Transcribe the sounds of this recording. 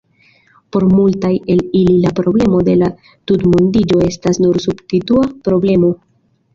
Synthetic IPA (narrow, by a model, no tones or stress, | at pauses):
po̞ɾmultaje̞lililapɾo̞ble̞mo̞de̞la | tudmondid͡ʒo̞e̞stasnuɾsubtituapɾo̞ble̞mo̞